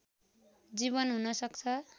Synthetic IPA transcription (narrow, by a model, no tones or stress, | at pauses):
d͡ziβʌnɦunʌsʌkt͡sʰʌ